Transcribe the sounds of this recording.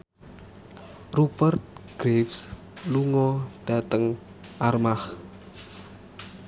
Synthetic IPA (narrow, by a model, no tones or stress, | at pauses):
rubərt̪̚ɡ̥ɾefs | luŋɔd̥ä̤t̪əŋ | ʔarmah